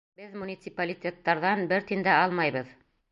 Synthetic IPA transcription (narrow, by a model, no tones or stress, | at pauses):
bɘðmunʲit̪sɨpalʲitʲet̪ːɑɾðɑnbɘɾt̪ind̪æɑlˠmɑjβɤð